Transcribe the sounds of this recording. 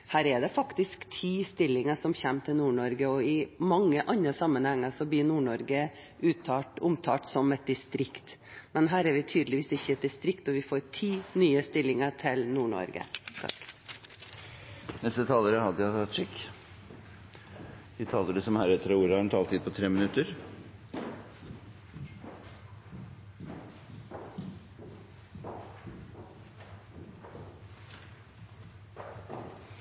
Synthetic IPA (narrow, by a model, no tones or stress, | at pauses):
hæːɾɛɖ̪ɛfɑkt̪ɪskt̪ʰiːst̪ɪlːɪŋəʂɔmçɛmːt̪ʰɪlnuːɳɔɾɡəɔɪmɑŋːəʔɑnəsɑmːənhɛŋːəɾsɔblɪːnuːɳɔɾɡə | ʉːt̪ʰɑːʈʊmt̪ʰɑːʈsɔmɛt̪̚d̪ɪst̪ɾɪkt̪mɛnɦæːɾɛɾʋɪt̪ʰyːd̪əlɪʋiːsɪçːəɛt̪̚d̪ɪst̪ɾɪkt̪ɔʋɪfoːɾʈʰiːnyːəst̪ɪlːɪŋəʈʰɪlnuːɳɔ̰ɾɡə̰sʰɑ̰k | nɛst̪ət̪ʰɑːləɾəhɑd̪əjæt̪ɑt̪ːʂɪkː | ʋɪt̪ʰɑːləɖəsɔmhæːɾɛt̪ʰːəɾɑuːɾəɑɾɛnt̪ʰɑːlt̪ʰiːd̪̚pʰɔt̪ʰɾeːmɪnʉt̪əɾ